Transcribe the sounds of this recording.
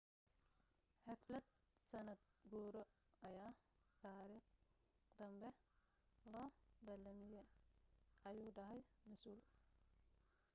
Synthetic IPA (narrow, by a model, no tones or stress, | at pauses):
ħɛflɐd̪̚sɐnɐd̪̚ɡuːɾɔ | ʔɐjaːt̪ʰaːɾiːχ | d̪ɐmbɛ | lɔːbɐlɐmɪjɛ | ʔɐjuːɖɐɦɛjmɐsuːl